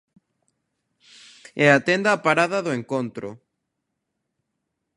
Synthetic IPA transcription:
ɛat̪end̪apaɾaðɐðoeŋkõnt̪ɾʊ̰

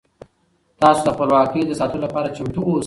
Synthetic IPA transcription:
t̪ɑsod̪əxpəlwɑkəjd̪əsɑt̪ənolapɑɾat͡ʃamʈ̪uos

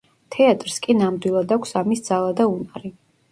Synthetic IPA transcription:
t̪ʰɛat̪ʼɾskʼinamd̪wilˠad̪akʷʰsamisd̪z̥alˠad̪aunaɾi

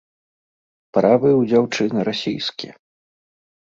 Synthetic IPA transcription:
pɾavɨjwd͡zʲawt͡ʂɨnɨɾasʲijskʲiɛ

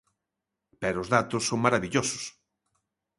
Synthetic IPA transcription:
pɛɾoʊzðat̪ʊsːoŋmaɾaβiʎosʊ̥s

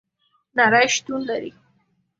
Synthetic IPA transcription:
naɾajʃt̪unlaɾḭ

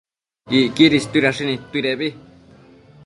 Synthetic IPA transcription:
iʔkiɾist̪uiɾaʂinĩt̪uiɾeβi

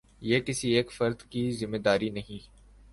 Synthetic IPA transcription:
jeːkɪsieːkfɐɾd̪kizɪmːeːd̪aːɾinɐɦĩː

